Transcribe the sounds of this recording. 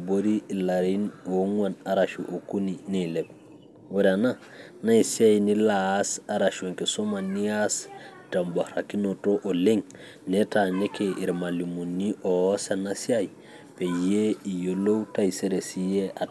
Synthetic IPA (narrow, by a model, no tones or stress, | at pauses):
boɾilaɾinoŋwanaɾaʃuʔokunineleb̚ | weɾana | naisiajinilasaɾaʃoŋkesomanːias | tambohɾakinotoʔoleŋ | netanekeʔiɾmalimunːiʔosanasiaj | pejeijolowtaiseɾesijeʔa